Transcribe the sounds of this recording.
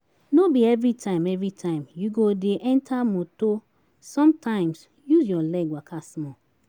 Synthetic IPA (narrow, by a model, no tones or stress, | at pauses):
nobiɛvɾitʰãɪ̃mɛvɹitʰãɪ̃mjuɡodeʔɛ̃ntʰamoto | sɔ̃mtʰãɪ̃ms | juzjɔlɛɡwakʰasmɔ